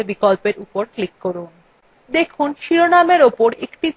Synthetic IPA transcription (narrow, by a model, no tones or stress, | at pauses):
ɾbikolpeɾupoɾklikːoɾun | d̪ekʰunʃiɾonameɾopoɾekʈi